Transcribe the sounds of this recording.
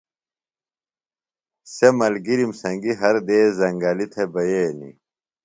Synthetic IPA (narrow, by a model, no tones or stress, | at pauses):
semɐlɡiɾimsɐŋɡiɦɐɾd̪eːzɐŋɡaːlit̪ʰebɐjenḭ